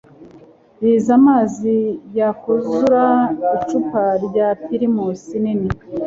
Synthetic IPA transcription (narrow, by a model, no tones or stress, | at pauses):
jizamaːzijakuzuɾait͡ʃupaɾɟatiɾimusinini